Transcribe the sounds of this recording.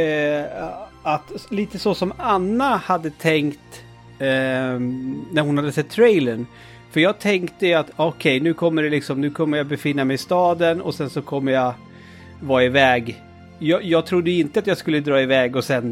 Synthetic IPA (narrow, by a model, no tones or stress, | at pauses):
at̪liːt̪əsɔsɔmanːahad̪ːət̪ʰɛŋkt̪ | næɾhʊnhad̪ːəsɛt̪ʰːɾɛjləɳ | fœɾjɑːɡ̚t̪ʰɛŋkt̪əat̪ɔkʰɛjnʉ̟ːkʰɔmːəɖɛlɪksɔmnʉ̟ːkʰɔmːəjɑbɛfɪnːamɛjɪst̪ɑːd̪ənɔ̰sɛnsɔkʰɔmːəja | vɑːɪvɛːɡ | jɑːjɑːɡ̚t̪ʰɾʊd̪ːəɪnt̪əat̪jɑːɡskɵlːəd̪ɾɑːɪvɛːɡɔsɛn